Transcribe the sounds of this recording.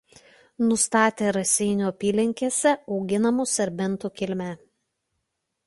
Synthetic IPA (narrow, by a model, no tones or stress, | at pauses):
nʊst̪ɑːt̪ʲeːɾɐsʲɛɪnʲuːɐpʲiːlʲɪŋʲkʲeːsʲɛɒʊɡʲɪnɐmuːsʲɐɾʲbʲɛnˑt̪ukʲɪlʲmʲæː